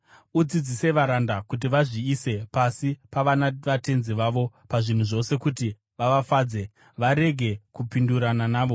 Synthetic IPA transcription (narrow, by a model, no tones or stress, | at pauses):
ud͡zid͡zise̞ʋaɾandakut̬iʋaʐiːse̞pasipaʋanaʋate̞nziʋaʋo̞ | paʐin̤uʐo̞se̞kuti | ʋaʋafaːd͡ze̞ | ʋaɾe̞ɡʱe̞kupinduɾananaːʋo̞